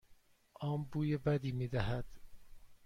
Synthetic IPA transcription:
ʔɒːmbuːjebæd̪iːmiːd̪æɦæd̪̥

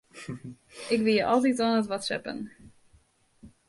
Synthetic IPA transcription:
ɪkʋɪlˠjəʔɑlˠt̬itɑnətʋɑtsɛ̰pə̰n

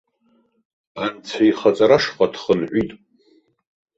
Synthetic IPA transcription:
ant͡sʰaiχat͡sʼaɾaʂqʼadχənħʷitʼ

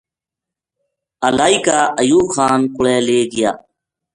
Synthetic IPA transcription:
əlaːikaːʔəjuːxaːnkʊɭeːleːɡɪja̰ː

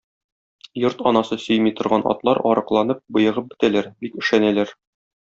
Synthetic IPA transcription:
joɾt̪ɒnɑsɤsɵ̆jmit̪ŏɾʁɑnɒ̰t̪lˠɑɾɒ̰ɾɤ̆qlˠɑnɤp̚bɤ̆jɤ̆ʁɤp̚bɘ̆t̪ælæɾbikɵ̆ʃænælæɾ

